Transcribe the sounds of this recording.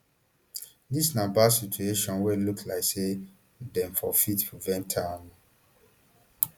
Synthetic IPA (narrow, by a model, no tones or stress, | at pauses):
disnãbasitueʃɔ̃nwɛluklaɪkse | dɛ̃mfɔfitpʰɹivɛ̃ntʰãm